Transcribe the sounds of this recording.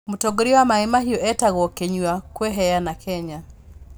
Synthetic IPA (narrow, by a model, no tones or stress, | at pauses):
mutɔɡoɾiwamaɛmaɦiɔʔɛtaɣɔkeɲwakwɛɦɛjanakʰɛɲa